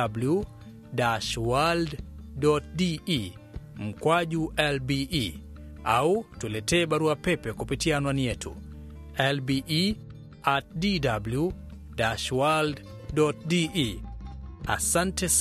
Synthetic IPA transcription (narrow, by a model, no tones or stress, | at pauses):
ablu | daʃwalddɔt̚dii | m̩kwad͡ʒuʔɛlbii | a̰utulɛtɛːbaɾuapɛpɛkupitianwanijɛtʰṵ | ɛlbiʔi | at̚didablju | daʃwald | dɔt̚dii | a̰santɛs